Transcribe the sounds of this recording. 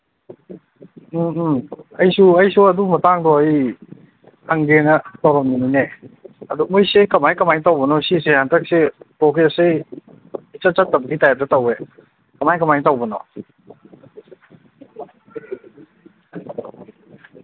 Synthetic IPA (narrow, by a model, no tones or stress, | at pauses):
ɐjsuɐjsuɐdumɐtaŋdɔɐj | aŋɡenɐtaɾɔmninineɐdumujsekɐmajkɐmajnitawbɔnɔsisehantʰak̚sepɔkʰese | it͡ʃat͡ʃatːabkʰitajaɾ̚tatawe | kamajkamajnitawbɐnɔ̰